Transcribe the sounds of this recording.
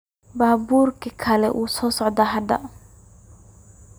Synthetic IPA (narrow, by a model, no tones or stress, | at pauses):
baːbuːrkʰɐkʰɐlɛ̰ʔuːsɔːsɔʕd̪aːɦɐd̪ɐ̰